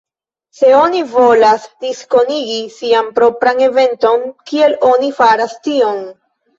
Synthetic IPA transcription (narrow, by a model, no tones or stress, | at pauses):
se̞o̞nivo̞lasdisko̞niɡisiampɾo̞pɾane̞ve̞nto̞ŋkie̞lo̞nifaɾastio̞n